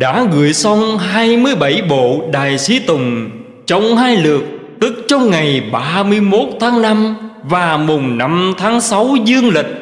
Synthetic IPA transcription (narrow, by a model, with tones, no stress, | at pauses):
ɗa̰ː˧˥ɣɨ̰˧˨jsə˧wŋ͡mɦaː˧jmɨ˧əjɓa˧˩jɓo̰˧˨ɗaː˨˩jsi˨˦t̪ʊ˨˩ŋ͡m | t͡ɕɔ˧wŋ͡mhaː˧jlɨ˨˩ək̚ | t̪ɨ˦˥k̚t͡ɕɔ˧wŋ͡mŋa˨˩jɓaː˧mɨ˧əjmo˦˥t̚t̪ʰaː˨˦ŋna˧mvaː˨˩mʊ˨˩ŋ͡mna˧mt̪ʰaː˨˦ŋsa˨˦wzɨ˧əŋlï˨˩k̟̚